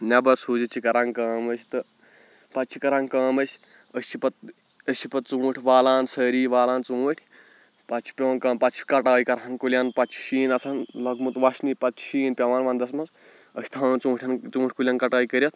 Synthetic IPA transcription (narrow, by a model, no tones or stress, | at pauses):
nɐbɐɾsuːd͡ʒit͡ʃʰikɐɾãŋkɐːməsʰʲt̪ɨ | pɐtt͡ʃʰikɐɾãŋkɐːməsʲ | əst͡ʃʰipɐt̪̚ | əsʲt͡ʃʰipɐt̪̚t͡sũːʈʲʰʋaːlaːnsəːɾiːʋaːlaːnt͡sũːʈʰʲ | pɐt͡ʃʰi̥pʲenkɐːmpɐt̪t͡ʃʰii̥kɐʈaːjkɐɾankulʲjanpɐt̪t͡ʃʰi̥ʃiːnɐsʰanlɐɡmut̪ʋɐʃnipɐt̪t͡ʃʰʃiːnpʲɐʋaːnʋaːnd̪ɐsmɐs | əsʲt̪ʰaːnt͡sũːʈʰʲɐnt͡sũːʈʰʲkulʲjãːnkɐʈaːikəɾʲjɐt̪̚ʰ